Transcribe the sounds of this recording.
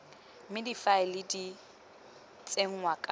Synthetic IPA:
mɪdifaɪlɪdi | t͡sʼeŋ̩wakʼa

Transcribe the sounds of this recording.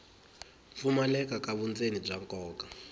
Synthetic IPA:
fumalɛkakaβunt͡senib͡ʐaŋkʼɔːka

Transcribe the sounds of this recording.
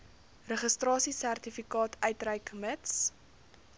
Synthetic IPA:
rəχəstrɑːsisærtifikɑːtʰœɥtrəjkməts

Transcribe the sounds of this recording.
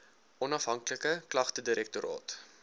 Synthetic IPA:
ɔnɐfɦɐŋkləkəklɐχtədiɾɛk̚toɾʔɑ̰ːt

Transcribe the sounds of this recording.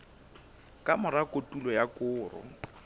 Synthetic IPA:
kʼamʊɾakʼotʼulɔjakʼʊːrɔ̰

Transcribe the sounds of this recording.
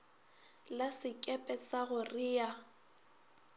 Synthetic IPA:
lasɪkʼɛpʼɛsaɣʊrɪja

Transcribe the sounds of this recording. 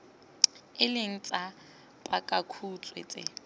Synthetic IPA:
ɪlɪŋ̩t͡sʼa | pʼakʼakʰut͡sʼwḛt͡sʼɪ̰

